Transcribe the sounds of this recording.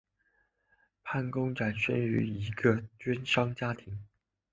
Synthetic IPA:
pʰa˥˩nkʊ˥ŋʈ͡ʂa˨˩nʂə̰˥ny̰˧˥i˧˥ɡə˧t͡ɕɥɛ˥nʂɑ˥ŋt͡ɕja˥t̪ʰi˨˥˦ŋ

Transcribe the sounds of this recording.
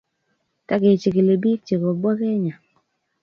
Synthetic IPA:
ta˦ke˨t͡ʃɪ˨ke˨le˨bi˦kt͡ʃe˨ko˨bɔ˦ke˦ɲa˨

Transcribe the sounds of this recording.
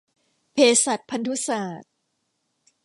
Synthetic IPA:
pʰeː˧sa˨˩t̪̚pʰa˧nt̪ʰu˦˥saː˨˩t̪̚

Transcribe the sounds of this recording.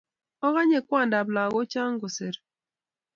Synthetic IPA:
ɔ˦ɣa˦ɲe˨kwa˦˨n˨da˨bla˨ɣo˦t͡ʃa˦ŋ̩˦ɡʊ˨se˨ɾ

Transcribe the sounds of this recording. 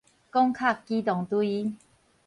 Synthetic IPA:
kɔ˦ŋkʰa˥˨kːi˦t̪ɔ˨˩ŋt̪wi˧

